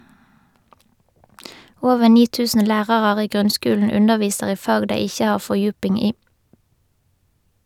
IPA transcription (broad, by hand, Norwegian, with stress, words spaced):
ˈoːʋəʁ ˈniː ˈtʉːsən ˈlæːʁɑʁɑʁ ˈiː ˈɡʁʉnˌskʉːln̩ ˈʉnəʁˌʋiːsəʁ ˈiː ˈfɑːɡ ˈdeɪ ˈɪçə ˈhɑːʁ ˌfɔʁˈjʉːpɪŋ ˈiː